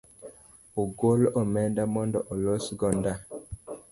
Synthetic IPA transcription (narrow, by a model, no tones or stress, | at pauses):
oɡolɔmɛndamɔndɔʔolosɡɔnda